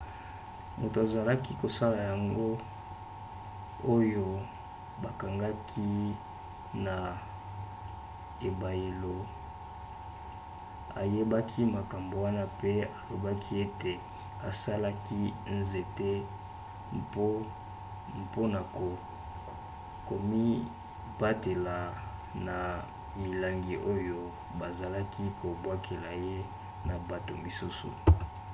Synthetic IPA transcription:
mo˨to˨a˨za˨la˦ki˦ko˨sa˦la˨ja˨ŋɡo˦ | o˦jo˦ | ba˨ka˨ŋɡa˦kʰi˦ | na˨ | e˨ba˨je˨lo˨ | a̰˨je˦ba˦kʰi˦ma˨ka˨mbo˨wa˦na˦pe˦a˨lo˨ba˦kʰi˦e˦te˨ | a˨sa˦la˦ki˦nze˨te˦ | p | mpo˦na˨ko˨ | ko˨mi˦ | ba˦te˨la˨na˨ | mi˨la˦ŋɡi˨ʔo˦jo˦ | ba˨za˨la˦kʰi˦ko˨bwa˦kʰe˨la˨je˦ | na˨ba˨to˨mi˨su˦sṵ˨

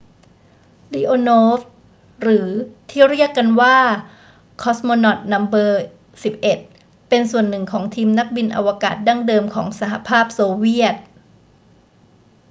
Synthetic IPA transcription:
li˧ʔoː˧nɔoː˦˥f | ɾɯː˩˦t̪ʰiː˥˩ɾi˥˩əkːa˧nwaː˥˩ | kʰɔ˦˥smo˧nɔ˨˩t̪̚na˧˥mbɤː˧ | si˨˩p̚ʔe˨˩t̪̚ | pe˧nsu˨˩ənːɯ˨˩ŋkʰɔː˩˦ŋt̪ʰiː˧mna˦˥k̚bi˧nʔa̰˧wa˧kaː˨˩t̪̚da˥˩ŋdɤː˧mkʰɔ̰ː˩˦ŋsa˩˦ha˨˧pʰaː˥˩p̚soː˧wi˥˩ət̪̚

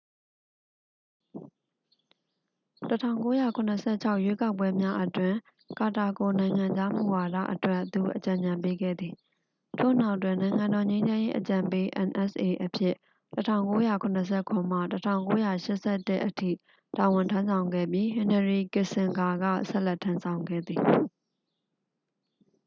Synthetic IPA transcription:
tətʰã̰˦˨ʊ̃ŋko˦ja˦˨kʰʊ̃˨nə˨sʰɛ̰˦˨t͡ɕʰa˦ʊʔjwe˦ka˦ʊp̬ːwɛ˦mja˦ʔətwɪ̃˨ | ka˨ta˨ɡo˨nã˨ɪ̃ŋã˨ɲd͡ʑa˦mṵ˨wa˨da̰˦˨ʔətwɛ˦˨t̪ṵ˨ʔət͡ɕã˨ɲã˨mpe˦ɡɛ̰˦˨d̪ði˨ | tʰo̰˦˨n̥a˦ʊʔtːwɪ̃˨nã˨ɪ̃ŋã˨ndɔ˨ɲẽ˦ɲd͡ʑã˦je˦ʔət͡ɕã˨mpe˦ʔɛ̃˨nʔɛ˦˨sʔe˨ʔəpʰjɪ̰˦˨ʔ | tətʰã̰˦ʊ̃ŋko˦ja˦˨kʰʊ̃˨nə˨s̬ʰɛ˦˨kʰʊ̃˨m̥a̰˦˨tətʰã̰˦˨ʊ̃ŋko˦ja˦˨ʃɪ˦ʔsɛ˦˨tɪ˦ʔətʰḭ˦˨ | ta˨wɪ̃˨ntʰã˦nsã˨ʊ̃ŋɡɛ̰˦˨pji˦ɦɪ̃˨nə˨ɹi˨kɪ˨sɪ̃˨ŋɡa˨ɡä̰˦˨sɛ̰˦ʔlɛ˦tʰːã˦nsʰã˨ʊ̃ŋɡɛ̰˦˨d̪ði˨

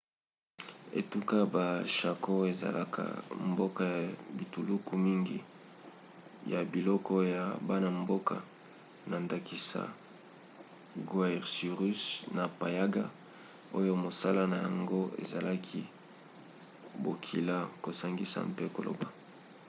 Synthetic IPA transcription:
ḛ˨tu˦ka˦ba˨ʃa˨kʰo˦e˨za̰˨la̰˨kʰa̰˨mbo˦ka˦ja˨bi˨tu˨lu˦ku˦mi˦ŋɡḭ˦ | ja˨bi˨lɔ˦kɔ˦ja˨ba˦na˨mbo˦ka˨ | na˨nda˨ki˦sa̰˨ | ɡwa˦ɛ˨ʁsi˨ʁy˦sna˨pa˨ja˦ɡa̰˦ | o˦jo˦mo˨sa˦la˦na˨ja˨ŋɡo˦ḛ˨za˨la˦kʰi˦ | bo˨kʰi˨la˦ko˨sa˦ŋɡi˦sa̰˨mpe˦ko̰˨lo̰˨ba˨

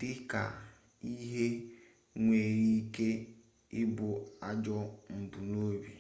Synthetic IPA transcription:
d̥ɪ˦ka̰˨ | i˦ɦe˦ | ŋʷe˨ɾi˦i˦ke˦ | ɪ˦bʊ˨a˨d͡ʒɔ˦m̩˨bu˨no˦bi˨

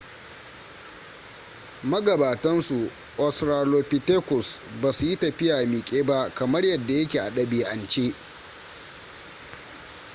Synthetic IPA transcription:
mɐ˦ɡɐ˨baː˨tɐ˦nsu˨ | ʔɔ˨sɾaː˨loː˨pi˨te˦kɔ˨sbaː˨su˨ji˦tɐ˨ɸɪ˦jaː˨miː˨kʲʼeː˦ba˦ʔkɐ˨mɐ˦rjɐ˨dːa˨jɐ˦kʲeː˨ʔa̰˨ɗɐ˦beː˨ʔa˨nt͡ʃeː˦

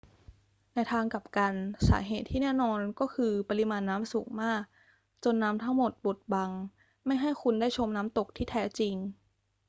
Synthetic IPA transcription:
na˧jt̪ʰaː˧ŋka˨˩p̚ka˧nsa̰ː˩˦ɦeː˨˩t̪ʰːiː˥˩nɛː˥˩nɔː˧nkɔː˥˩kʰɯː˧pa˧li˧maː˧nːaː˦˥msuː˩˦ŋmaː˥˩k̚ | t͡ɕo˧nːaː˦˥mt̪ʰa˦˥ŋmo˨˩t̪̚bo˨˩t̪̚ba˧ŋ | ma˥˩jɦa˥˩jkʰu˧ndaː˥˩jt͡ɕʰo˧mnaː˦˥mt̪o˨˩k̚t̪ʰiː˥˩t̪ʰɛː˦˥t͡ɕi˧ŋ

